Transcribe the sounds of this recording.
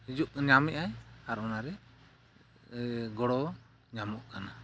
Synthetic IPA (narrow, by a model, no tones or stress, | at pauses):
id͡ʒuʔɲamɛʔajaɾɔnaɾɛ | ɡɔɽɔ | ɲamɔʔkana